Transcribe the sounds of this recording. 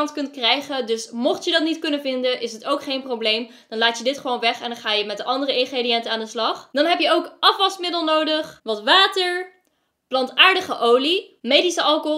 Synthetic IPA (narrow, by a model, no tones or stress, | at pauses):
ntkɵntkrɛjχədɵsmoχtjədɑtnitkɵnəvɪndənʔɪsətowkχejnprowblejm | d̥ɑnlaːtjədɪtχəʋownʋɛχɛndɑnχaːjəmɛt̚dəʔɑndərəɪnχreːdijɛntəaːndəslɑχdɑnɦɛpjəowkʔɑfʋɑstmɪdəlˠnowdəχʋɑtʋaːtəɹ | plɑntaːɹdəχəʔowlimejdisəʔɑlˠko